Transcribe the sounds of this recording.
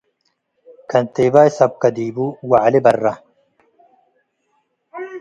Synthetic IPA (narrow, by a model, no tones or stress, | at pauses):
kʰɐnt̪eːbajsɐb̚kɐd̪iːbuwaʕlibɐrːɐ